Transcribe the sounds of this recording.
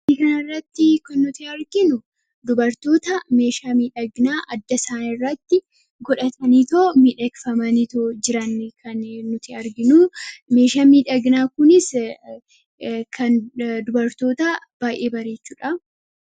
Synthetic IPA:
ikɐnɪrːɐt̪ːɪkɐnːʊt̪ɪɐɾɡɪnʊ | d̪ʊbɐɾt̪o̞ːt̪ɐme̞ːʃaːmiːᶑɐɡnaːʔɐd̪ːɐsaːnɪrːɐt̪ːɪ | ɡɔᶑɐt̪ɐniːt̪oːmiːᶑɐkfɐmɐnit̪oːd͡ʒɪɾɐnːkʰɐnnːʊt̪ɪɐɾɡɪnʊme̞ːʃaːmiːᶑɐɡnaːkʊnɪs | kʰɐnd̪ʊbɐɾt̪o̞ːt̪ɐ | b̥aːʔe̞ːbɐɾe̞ːt͡ʃːuːᶑɐ

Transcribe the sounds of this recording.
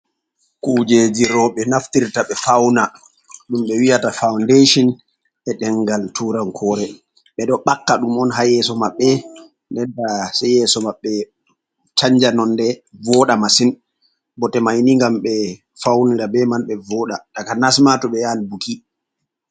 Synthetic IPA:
kud͡ʒed͡ʒiɾɔɓɛnaftiɾtaɓɛfawna | ɗumɓɛwijatafawndeʃɔn | ɛɗɛŋɡaltʰuɾankʰɔːɾɛ | ɓɛɗɔɓakːaɗumɔnɦajɛsɔmaɓːɛ | ndɛndasɛjɛsɔmaɓːɛ | t͡ʃaɲd͡ʒanɔndɛvɔɗamasin | bɔtɛmajniŋɡamɓɛ | fawniɾabɛmanɓɛvɔːɗaɗakanasmatɔɓɛjaːnibuki

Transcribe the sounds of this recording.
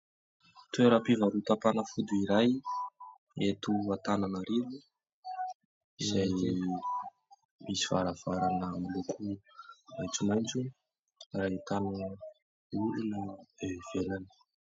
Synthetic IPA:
t̪ueɾapivaɾut̪apanəfud̪uiɾaj | et̪uat̪ananaɾivu | izaj | misiv̥aɾav̥aɾanəmilokʰumajt͡sumajnt͡su | rait̪ani | ulunəevev̥elanə̥

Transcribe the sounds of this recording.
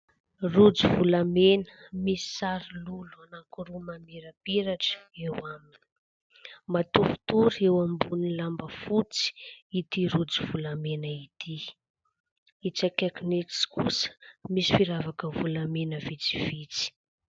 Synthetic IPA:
rud͡zivulamenə̥misi̥saɾiluluanaŋkuɾumameɾapiɾaʈ͡ʂə̥ewamini̥ | mat̪ufu̥t̪uɾewambunilambəfut͡si̥it̪iɾud͡zivulamenəit̪ʰi | it͡sakeknikskusə̥misi̥fiɾavakəvulamenəvit͡si̥v̥it͡si̥

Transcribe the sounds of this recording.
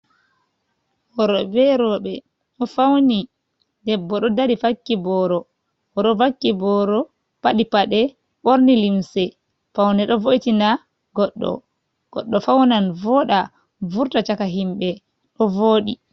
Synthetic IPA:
bɔɾɔbɛɾɔɓɛ | ɗɔfawni | dɛbːɔɗɔdaɾifakːibɔɾɔ | ɔɗɔvakːibɔɾɔ | paɗipaɗɛ | ɓoɾnilimsɛ | fawnɛɗɔvoitina | ɡɔɗːɔ̰ | ɡ̥ɔ̰ɗːɔfawnanvɔɗa | vuɾtat͡ʃakaɦimɓɛ | ɗɔvoːɗi

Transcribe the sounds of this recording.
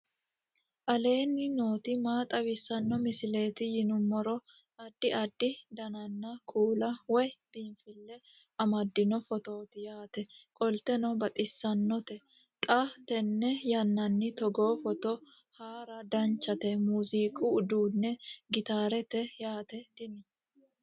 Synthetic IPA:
ʔɐle̞ːnːɪno̞ːt̪ɪmaːt̪ʼɐwɪsːɐnːɔmɪsɪle̞ːt̪ɪjɪnʊmːɔɾɔ | ɐd̪ːɪɐd̪ːɪd̪ɐnɐnːɐkʰuːlɐwɔjb̥iːnfɪlːɛ | ɐmɐd̪ːɪnɔfɔt̪oːt̪ɪjaːt̪ɛkʼɔlt̪ɛnɔbɐt̪ʼɪsːɐnːɔt̪ɛ | kʼat̪ɛnːɛjɐnːɐnːɪt̪ɔɡoːfɔt̪ɔ | haːɾɐd̪ɐnt͡ʃːɐt̪ɛmuːziːkʼuːd̪uːnːɛɡɪt̪aːɾɛt̪ɛjaːt̪ɛt̪ɪmɪ

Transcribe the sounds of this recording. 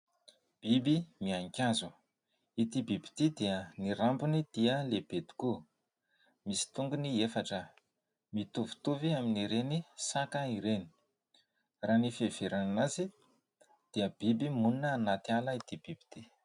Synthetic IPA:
b̥ibimiaŋkʲazu | it̪ibibi̥t̪id̪iəniɾampunid̪̥iəleb̥ed̪i̥ku | misi̥t̪uŋɡuniefaʈ͡ʂə | mit̪uvu̥t̪uviaminiɾenisakəiɾeni̥ | raːnifev̥eɾananazi | d̪̥iəbibimuninəːnat̪ialəit̪ib̥ib̥i̥t̪i

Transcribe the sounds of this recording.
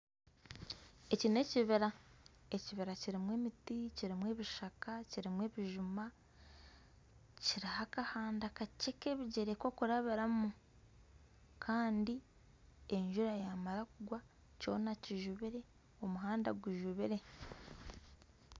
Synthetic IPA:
e̞cine̞ciβiɾa | eciβiɾaciɾimwe̞ːmiticiɾimwe̞ːβiʃakaciɾimwe̞ːβiʒuma | ciɾihakahaːndakaceke̞βiɟeɾeko̞kuɾaβiɾamu | kʰaːndi | e̞ɲʒuɾajamaɾakuɡwa | co̞̰ːnaciʒuβiɾe̞ | o̞muɦaːnda̰ɡwiʒuβiɾe̞

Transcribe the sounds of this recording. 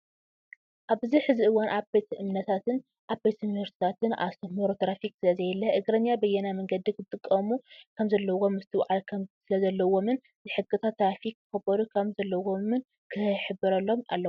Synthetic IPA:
ʔaβɨziħɨziʔɨwanʔaβbe̞t̪ɨmnɐt̪ʰat̪ʰɨn | ʔaβbe̞t̪junuvɐɾst̪i̥t̪ʰat̪ɨna̰sɐmoɾot̪ɾafiksɨlɐzɐjɛlːɐʔɨɡɾɐnjabɐjɛnamɐŋɡɐd̪ikʰɨt̪ʼɨkʼːɐmukʰɐmzɐlːɐwomɨst̪ʰɨwʕalkʰɐmzisɨlɐzɐlːɐwo̞mɨn | zɨħɨɡɨt̪ʰat̪ːɾafikːɨkɐbɐɾukʰɐβzɐlːɐwomɨn | kʰɨħɨbɨɾɐlːo̞ma̰lːɐw

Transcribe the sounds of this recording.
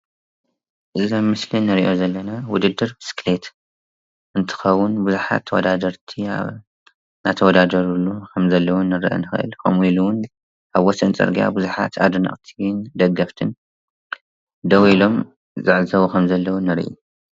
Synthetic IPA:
ʔɨzommɨslinːɨɾiʔo̞zɐlːɐnawʊd̪ɨd̪ːɨɾbɨsklet̪ | ʔɨnt̪ʰɨ̥xɐwːʊnbuzuħa̰t̪ʰːɐwɔ̰d̪ad̪ɐɾt̪ʰia̰ | na̰t̪ʰɐwɔd̪ad̪ɐɾulːukʰɐmzɐlːɐwunːɨɾʔɐ̰nɨxɨʔɨ̰lkʰɐ̰miluwʊn | ʔaβwɔsɨnt͡sʼɨ̰ɾɡija̰buzuħa̰t̪ʰa̰d̪unɐ̰ʔʼt̪ʰind̪ɐɡːɐft̪ʰɨn | d̪ɐwilo̞m | zaʕzɐwukʰɐmzɐlːɐwunɐɾʔṵ

